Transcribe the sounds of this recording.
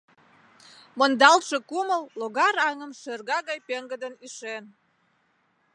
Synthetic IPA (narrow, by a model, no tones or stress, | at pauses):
mond̪ɑlʃe̽kuməlːoɣɑɾɑŋəmʃørɣɑɣɑjpeŋɡəd̪ənyʃen